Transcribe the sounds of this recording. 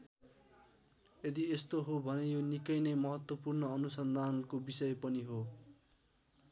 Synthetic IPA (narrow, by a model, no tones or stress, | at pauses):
ed̪iest̪oɦobʱʌnejonikʌjnemʌɦʌt̪wʌpurnʌʌnusʌnd̪ʱankobisʌjpʌniɦo